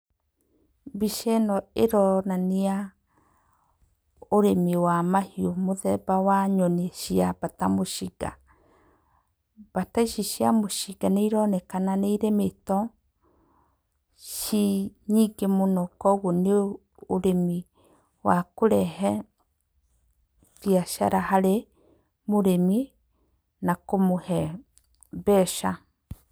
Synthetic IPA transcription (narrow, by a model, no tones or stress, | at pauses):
biʃɛnɔeɾɔnanea | oɾemiwamahiomoðɛbawaɲɔniɛʃiabatamoʃiɡa̰ | b̥ataiʃiʃiamoʃiɡaneiɾɔnɛkananeiɾemetɔ | ʃiɲiːɡemonɔkɔɣone | oɾemi | wa̰koɾɛɦɛ | ðjaʃa̰ɾahaɾe | moɾemi | nakomohɛ | bɛʃa